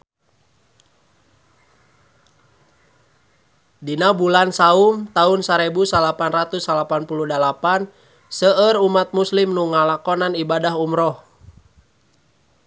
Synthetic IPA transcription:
dinabulansaumt̪aunsaɾɛbusalapanrat̪usalapanpuluhdalapan | səərumat̪̚muslimnuŋalakɔnanibadaɦumɾɔh

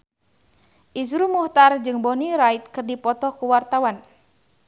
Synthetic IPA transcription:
ʔisɾumuht̪ard͡ʒɨŋbɔniɾait̪̚kɨrdipɔt̪ɔkuwart̪awan

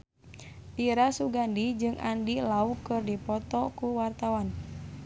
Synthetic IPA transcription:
ʔiɾasuɡandid͡ʒɨŋʔa̰ndilaukɨrdipɔt̪ɔkuwart̪awan

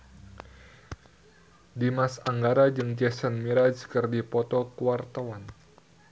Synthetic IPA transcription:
dimasaŋɡaɾad͡ʒɨŋd͡ʒɛsənmiɾad͡ʒkɨrdipɔt̪ɔkuwart̪awan

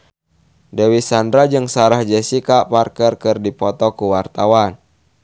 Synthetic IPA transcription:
dɛwisandɾad͡ʒɨŋsaɾahd͡ʒɛsikaparkərkərdipɔt̪ɔkuwart̪awan

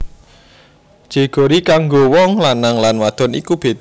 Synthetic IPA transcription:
d̥ʒ̥e̤ɡ̥o̤ɾikaŋɡowɔŋlanːaŋlanwad̪̥ɔ̤nḭkub̥e̤t̪

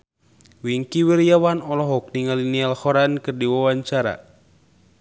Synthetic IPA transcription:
wiŋkiwirjawanɔlɔɦɔk̚niŋalinialhɔɾankɨrdiwawaɲt͡ʃaɾa̰

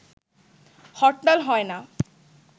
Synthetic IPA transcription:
hɔʈːalɦɔena

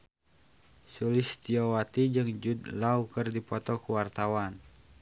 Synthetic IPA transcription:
sulɪst̪iɔwat̪id͡ʒɨŋd͡ʒud̪laukərdipɔt̪ɔkuwart̪awan

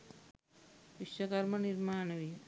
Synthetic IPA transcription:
ʋiʃɐkɐɾmɐniɾmaːnɐʋi

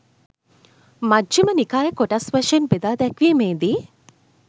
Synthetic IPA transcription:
mad͡ʒʒimənikaːjəkoʈasʋɐʃenbed̪aːd̪ɛkʋiːmeːd̪iː

